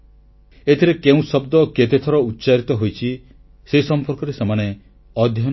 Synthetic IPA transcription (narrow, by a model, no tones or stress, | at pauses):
et̪ʰiɾekeũsɔbd̪ɔket̪et̪ʰɔɾɔutːt͡ʃaɾit̪ɔɦojt͡ʃʰi | seisɔmpɔɾkɔɾesemane | ɔd̪ʱjɔ